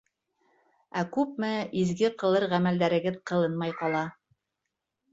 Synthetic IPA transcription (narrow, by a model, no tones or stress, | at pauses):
ækʉp̚mɘizɡɘqɤ̆lˠɤɾʁæmæld̪æɾɘ̆ɡɘðqɤ̆lˠɤnmɑjqɑlˠɑ